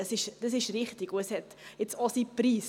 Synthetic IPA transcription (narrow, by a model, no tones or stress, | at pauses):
əsɪʃd̥ɑs̬ɪʃɾɪχtɪɡoəshɛt | ɪt͡sɑsipɾiːs